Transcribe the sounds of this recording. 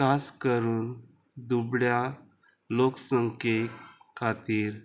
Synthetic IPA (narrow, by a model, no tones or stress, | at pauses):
kaskəɾuːn | d̪ubɽja | loksəŋkekʰat̪iːɾ